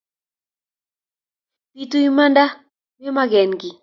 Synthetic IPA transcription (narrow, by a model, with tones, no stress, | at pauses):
pi˨tu˦i˦ma˦nda˦ | mɪ˦ma˦ɡɛ˨nɡɪ˨